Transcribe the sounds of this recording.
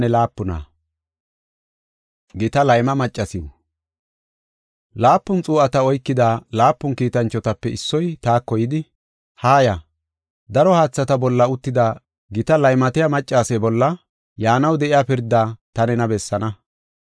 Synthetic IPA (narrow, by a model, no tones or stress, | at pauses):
ɛlaːpːʊna̰ː | ɡɪt̪ɐlɐjmɐmɐt͡ʃʼːɐsɪu | laːpːʊnt͡sʼuːɐt̪ɐɔjkːɪd̪aːlaːpːʊŋkiːt̪ɐnt͡ʃːɔt̪ɐpːɛɪsːɔjt̪aːkːɔjɪd̪ɪ | haːjɐ | d̪ɐɾɔhaːt͡sːɐt̪ɐbɔlːɐʊt̪ːɪd̪aː | ɡɪt̪ɐlɐjmɐt̪ɪjɐmɐt͡ʃʼːaːsɛbɔlːɐ | jaːnɐwd̪ɛʔɪjaːpɪɾd̪ːaːt̪ɐnɛnɐbɛsːɐnɐ